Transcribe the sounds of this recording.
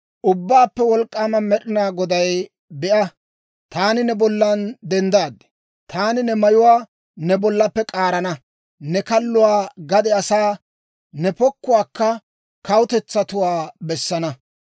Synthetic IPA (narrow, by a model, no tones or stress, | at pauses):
ʔʊbːaːpːɛwɔlkʼːaːmɐmɛɗɪnaːɡɔd̪ɐj | bɛʔɐ | t̪aːnɪnɛbɔlːɐnd̪ɛnd̪aːd̪ɛ̥ | t̪aːnɪnɛmɐjʊwaː | nɛbɔlːɐpːɛkʼaːɾɐnɐ | nɛkɐlːʊwaːɡɐd̪ɛɐsaː | nɛpɔkːʊwaːkːɐ | kɐwʊt̪ɛt͡sːɐt̪ʊwaːbɛsːɐnɐ